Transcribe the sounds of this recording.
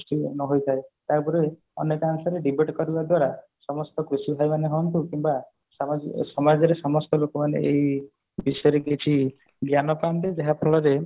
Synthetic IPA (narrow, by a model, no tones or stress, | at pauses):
sʈinɔɦojt̪ʰaet̪aɾpɔɾe | ɔnek̪aŋsɔɾeɖibeʈkɔɾibad̪waɾa | sɔmɔst̪ɔkɾusibʱajmaneɦɔnt̪ukimba | ssɔmad͡ʒɔɾesɔmɔst̪ɔlokɔmanḛej | bisɔjɔɾeɡet͡ʃʰi | ɡjanɔpant̪ed͡ʒeɦapʰɔɭɔɾe